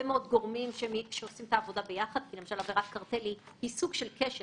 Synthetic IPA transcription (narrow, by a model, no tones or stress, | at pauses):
emeo̞d̪ɡo̞ʁmimʃeʃeosimtaːvo̞dabe̞jaχad̪̚kilemaʃalaveʁat̪̚kaʁt̪eli | hisuɡʃelkeʃe